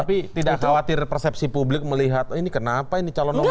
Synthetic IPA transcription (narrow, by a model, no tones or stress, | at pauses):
apit̪idaʔkawat̪ɪrpərsɛp̚sipublɪk̚məliɦat̪inikənapainit͡ʃalɔnɔ